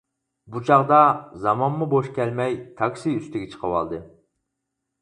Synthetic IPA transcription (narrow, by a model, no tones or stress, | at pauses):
but͡ʃʰɑʁd̪ɑzɑmɑnmuboʃkʲʰɛlmɛjt̪ʰɑksiyst̪ɪɡʲɛt͡ʃʰə̥qʰəwɑ̰lˠd̪ɨ